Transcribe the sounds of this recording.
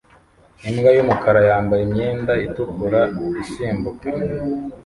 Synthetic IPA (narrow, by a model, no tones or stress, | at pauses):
inɡwajumukaɾajaːmbajemɲe̞ːndaitukuɾaiʃiːmbuka